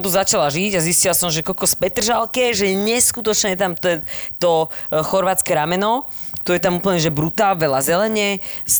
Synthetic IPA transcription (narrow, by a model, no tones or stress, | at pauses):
mt̪uzat͡ʃalaʒiɟaziscilasɔmʒɛkɔlkɔspɛt̪r̩ʒalkɛʒɛɲɛskut̪ɔt͡ʃɲɛɛt̪amt̪t̪ɔxɔɾʋaːt͡skɛɾamɛnɔ | t̪ɔjɛt̪amuːpl̩ɲɛʒɛbɾut̪alʋɛlazɛlɛɲɛs